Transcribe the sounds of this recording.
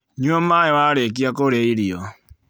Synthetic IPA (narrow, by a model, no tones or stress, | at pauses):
ɲwɔmajewaɾek̬iakoɾeiɾio